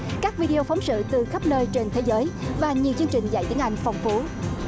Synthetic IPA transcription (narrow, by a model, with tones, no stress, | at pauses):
kaː˦˥k̚vi˧ɗi˧o˧fɔ˨˦wŋ͡msɨ̰˧˨t̪ɨ˨˩xə˦˥p̚nəː˧jt͡ɕe˧nt̪ʰe˨˦zəː˨˦jvaː˨˩ɲi˨˩əwt͡ɕɨ˧əŋt͡ɕï˨˩ŋ̟za̰˧˨jt̪i˨˦əʔa˧jŋ̟fɔ˨˩wŋ͡mfu˨˦